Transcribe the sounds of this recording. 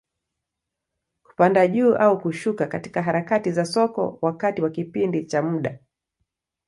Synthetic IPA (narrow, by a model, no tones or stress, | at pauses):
ku̥pandaʄuːʔaukuʃukakati̥kaɦaɾakatizasɔkɔ̰wakatiwakipindit͡ʃamuɗa